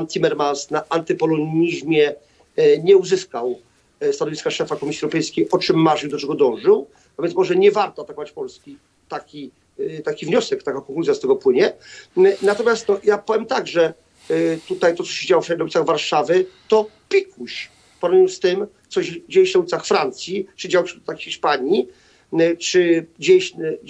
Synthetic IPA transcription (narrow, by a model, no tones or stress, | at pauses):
ant̪ʰʲimɛɾmansnaʔant̪ɘpɔlɔɲiʑmʲjɛ | ɲɛuzɘskaw | st̪anɔvʲiskaʂɛfakɔmʲisʲiɛwɾɔpɛjskʲejʔɔt͡ʂɘmːaʐiwd̪ɔt͡ʂɛɡɔd̪ɔ̃w̃ʐɘw | avʲjɛnmɔʐɛɲɛvaɾt̪ɔat̪akɔvat͡ɕpɔlskʲi | t̪akʲi | t̪akʲivɲɔsɛkt̪akakɔŋkluzjast̪ɛɡɔpwɘɲɛ | nat̪ɔmʲjast̪nɔjapɔvʲjɛmt̪aɡʐɛ | t̪ut̪ajt̪ɔt̪sɔɕed͡ʑawɔɛnauit̪aɣvaɾʂavɘt̪ɔpʲikʰuɕ | pɔɾɲust̪ɪmt̪sɔd͡ʑejɕnaulʲit̪saxfɾant̪sʲjiʈ͡ʂɨd͡ʑawɕt̪axxʲiʂpaɲi | t͡ʂɘd͡ʑeɕ